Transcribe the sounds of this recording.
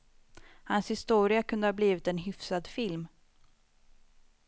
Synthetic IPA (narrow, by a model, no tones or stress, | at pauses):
hanshɪst̪uːɾɪakʰɵnd̪əhɑːbliːvɪt̪ɛnɦʏfsad̪fɪlm